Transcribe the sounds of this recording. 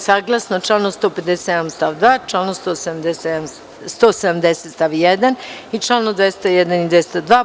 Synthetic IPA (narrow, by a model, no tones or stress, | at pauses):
saːɡlˠasnot͡ʃlanost̪o̞ːped̪eseenamst̪aːʋd̪ʋaːt͡ʃlaːnost̪oːsed̪md̪es | st̪oːsed̪amd̪eset̪st̪aʋijed̪anit͡ʃlaːnod̪ʋest̪ajɛd̪anid̪ʋest̪ad̪ʋaː